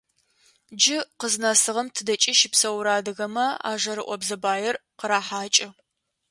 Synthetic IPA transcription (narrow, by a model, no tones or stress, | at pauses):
d͡ʒɪqəznɐsɨʁɐmtʰɨdɐt͡ʃʼɪʃɪpsɐwɾaːdɨɣɐmɐa̰ːʒɐɾɨʔʷɔbzɐbaːjɛrqəɾaːħaːt͡ʃʼɪ